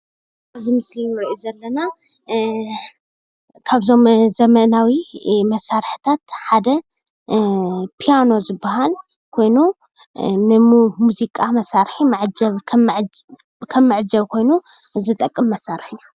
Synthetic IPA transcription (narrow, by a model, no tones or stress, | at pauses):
bɨzimɨslinnɨɾʔizɐlːɐna | kʰaβzo̞mzɐmɐnawimɐsːaɾħt̪ʰat̪ħad̪ɐ | pʰijano̞zɨbːaɦal | kʰo̞jnu | nɨmuzikʼamɐsaɾħimaʕd͡ʒɐβkʰmʕ | kʰɐmːɨʕd͡ʒɐβkʰo̞jnuzɨt̪ʼɐkʼːɨmːɐsːaɾħiu